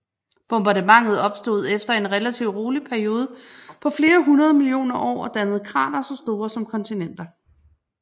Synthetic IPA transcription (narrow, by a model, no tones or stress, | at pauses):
b̥ɔ̽mb̥ɑ̈dəmɑ̈ŋ̰ð̞̩ˠɒ̽b̥sd̥o̝ð̞̩̰ˠefd̥ɐe̝nʁɛlæt͡sʰiʊ̰ʁo̝ːlipʰæɐio̝ːð̞ˠəpʰɒ̽fle̝ːɐɦunɐð̞ˠmilio̝̰ːnɐʔɒ̰ːɒ̽d̥ænəð̞̩ˠkʰʁɑ̰̈ːnɐsɒ̽sd̥o̝ːɐsɒ̽mkʰɒ̽nt͡sʰinen̰d̥ɐ